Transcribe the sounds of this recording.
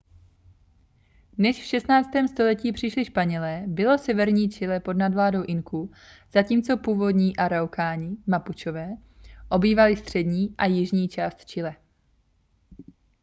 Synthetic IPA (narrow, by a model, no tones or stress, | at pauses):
nɛʃfʃɛst̪naːt͡st̪ɛːmst̪o̞lɛciːpr̝̥ɪʃlɪʃpaɲɛlɛːbɪlo̞sɛvɛɾɲiːt͡ʃɪlɛpo̞dnadvlaːdo̞wʔɪŋkʰu | z̥aciːmt͡so̞puːvo̞dɲiːʔaɾawkaːɲɪmaput͡ʃovɛː | ʔo̞biːvalɪst̪r̝̥ɛdɲiːʔajɪʒɲiːt͡ʃaːst̪t͡ʃɪlɛ